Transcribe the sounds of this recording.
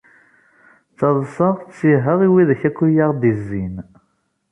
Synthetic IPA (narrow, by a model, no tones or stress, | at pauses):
t͡sːɑðˤsˤɑʁt͡sːiɦəʁiwiðæçækʷːujaʁd̪izːin